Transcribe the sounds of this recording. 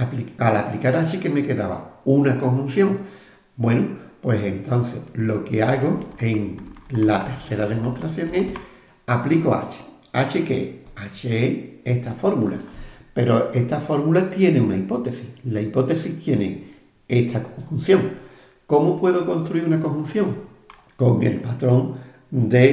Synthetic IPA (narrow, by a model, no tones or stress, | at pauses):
aplialaplikaɾat͡ʃeke̞me̞ke̞ðaβa̰unako̞ŋhun̟θjõ̞ŋ | bwe̞nupwe̞sent̪o̞nθe̞̰lo̞ke̞aɣo̞e̞ŋlat̪e̞ɾθe̞ɾaðe̞mo̞ht̪ɾaθjo̞ŋe̞h | aplikoa̰t͡ʃe̥ | at͡ʃekḛat͡ʃeee̞ht̪afo̞ɾmula̰pe̞ɾo̞e̞ht̪afo̞ɾmulat̪je̞neunaipo̞t̪e̞sihlaipo̞t̪e̞siht̪je̞nḛ | e̞ht̪ʰakoŋhun̟θjo̞ŋ | ko̞mopwe̞ðoko̞nst̪ɾuiɾunakoŋhun̟θjõ̞ŋ | ko̞ŋe̞̰lpat̪ɾõ̞ŋ | d̪e̞